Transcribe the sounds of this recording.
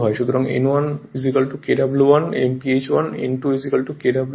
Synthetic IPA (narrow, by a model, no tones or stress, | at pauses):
ɦɔeʃud̪ʱɾaŋḛnwanizikɐlʈukeʈabluwanḛmpiet͡ʃwanḛnʈuizikɐlʈukeʈabl